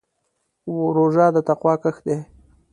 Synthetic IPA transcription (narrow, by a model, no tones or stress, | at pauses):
woɾoʒɑːd̪ət̪aqwɑːkəxd̪e